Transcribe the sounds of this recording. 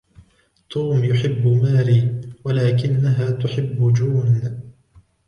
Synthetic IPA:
t̪ʰuːmjʊħɪbːʊmaːɾiːwalaːkɪnːaɦaːt̪ʊħɪbːʊd͡ʒuːn

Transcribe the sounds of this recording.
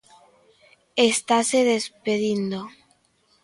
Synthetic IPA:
est̪aseðespeðind̪o

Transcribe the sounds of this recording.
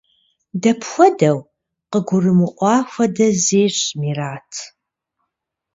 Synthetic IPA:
dɐpʰxʷɔdɐw | qəɡʷʊrɨmɨʔʷɑːxʷɐdɐzeːɕmiːraːtʰ

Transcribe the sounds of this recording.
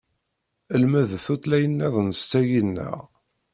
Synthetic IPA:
əlmæðθut̪læjənːæðˤnəst͡sːæjənːə̰ʁ

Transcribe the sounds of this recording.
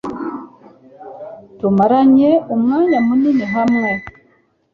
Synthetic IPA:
tumaɾaɲeumŋaːɲamuniniɦamŋe

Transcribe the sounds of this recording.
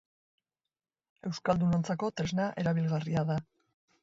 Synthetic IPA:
e̞wskald̪uno̞nt͡sako̞t̪ɾe̞znaʔe̞ɾaβilɣariaða

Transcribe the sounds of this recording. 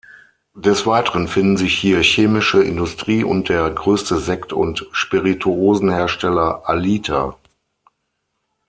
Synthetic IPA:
d̥ɛsv̥aɪtəʁənfɪndn̩zɪçhiːɐçeːmɪʃəʔɪ̰ndʊstʁ̥iːʔʊ̰nt̚d̥eːɐɡʁøːstəzɛktʊ̰ntʃpiʁitʰuoːzn̩heːɐʃtɛlɐʔaliːtʰa̰

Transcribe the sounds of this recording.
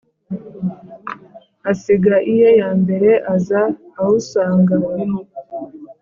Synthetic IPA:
asiɡaʔijojaːmbe̞ɾe̞ʔazaːhusaːŋɡaiɦo

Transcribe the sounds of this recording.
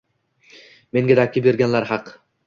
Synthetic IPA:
me̞ŋɡʲad̪akʲːɪbe̞ɾɡʲanlaɾɦɑq

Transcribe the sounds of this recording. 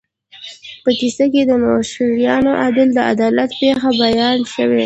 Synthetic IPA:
pək̪isək̬ed̪ənoʃiɾijɑnoʔad̪ɪld̪əa̰d̪ɑlat̪pexabajɑnʃəwḛ

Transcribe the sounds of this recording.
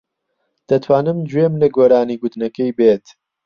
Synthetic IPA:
d̪̥ɐt̪ʰwaːnɨmd͡ʒwemnɐɡwɐɾaːniːɡʊd̪nɐkɐjbeːt̪

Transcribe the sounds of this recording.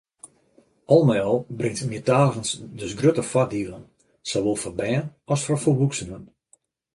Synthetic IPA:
ɔlˠmɛjɔlˠbrɪŋtmiːtaːɣənsdøsɡrøtəfadiəlˠən | soʋoːlˠfɔrbɛːənɔsfɔrfoʋuksəmən

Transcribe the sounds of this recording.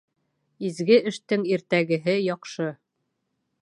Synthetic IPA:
izɡɘɘ̆ʃt̪ɘŋiɾt̪æɡɘ̆ɦɘjɒqʃɤ

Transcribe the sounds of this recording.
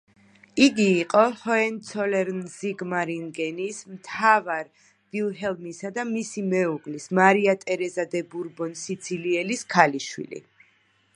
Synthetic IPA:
iɡiːqʼɔhɔɛnt̪sʰɔlɛɾnziɡmaɾiŋɡɛnismt̪ʰavaɾ | b̥ilˠɦɛlˠmisad̪amisimɛuɡlismaɾiat̪ʼɛɾɛzad̪ɛbuɾbɔnsit̪sʰiliɛliskʰaliʃwḭlḭ

